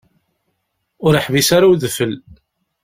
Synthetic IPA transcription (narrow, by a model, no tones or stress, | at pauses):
ʊɾəħvisaɾawðfəl